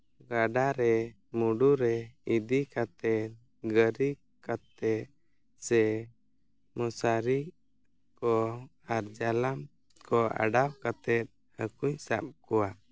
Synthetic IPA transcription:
ɡaɖaɾɛ | muɖuɾɛid̪ikat̪ɛt̪̚ | ɡəɾi | kat̪ɛt̪̚ | sɛ | mɔsaɾi | kɔ | aɾd͡ʒalam | kɔa̰ɖawkat̪ɛt̪̚ | həkuɲsap̚kɔwa

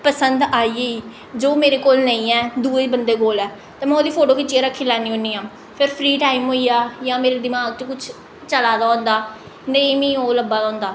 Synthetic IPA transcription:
pəsənd̪aːiːeːiː | d͡ʒoːmeːɾeːkoːlnəĩːɛːd̪uːebənd̪eːkoːlɛː | t̪ãːmɛ̃ːoːd̪iːpʰoːʈoːkɪt͡ʃːieːɾəkʰːĩːlaːniːɦoːniːãː | pʰɪɾpʰɾiːʈaːimɦoːijaːjãːmeːɾeːd̪ɪmaːɡt͡ʃːkʊt͡ʃʰ | t͡ʃəlaːd̪aːɦõːnd̪aː | nẽiːmĩːoːləbaːɔ̃ːnd̪aː

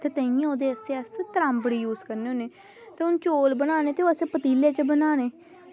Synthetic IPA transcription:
t̪eːt̪ə̃ĩẽoːd̪eːəseːəst̪əɾaːmbəɽiːjuːzkəɾneːoːneː | t̪eːʊnt͡ʃoːlbənaːneːt̪eːoːəsẽːpət̪iːleːt͡ʃəbənaːneː

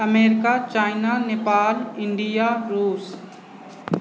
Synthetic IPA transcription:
ɐmeːɾɪkat͡ʃaːɪnaneːpaːlɪ̃ɳɖijaɾuːs

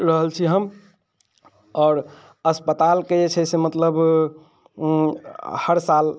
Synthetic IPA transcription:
ɾəɦəlt͡ʃʰiɦəm | ɔːɾ | əspət̪alkeet͡ʃʰɛsemət̪ləb | həɾsal

